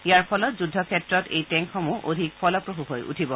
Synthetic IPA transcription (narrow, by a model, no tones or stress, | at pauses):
ijaɹpʰɔlɔtzudʱːɔkʰɛtɹɔtejtɛŋxɔmuʔo̰dʱik̚pʰɔlɔpɹoɦuɦojʔṵtʰibɔ